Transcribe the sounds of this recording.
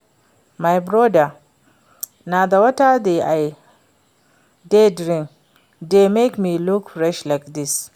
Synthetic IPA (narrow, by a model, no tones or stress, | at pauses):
majbɾɔda | nad̪awɐtad̪eʔaj | dedɾĩŋ | demekmilukfɾɛʃlakd̪is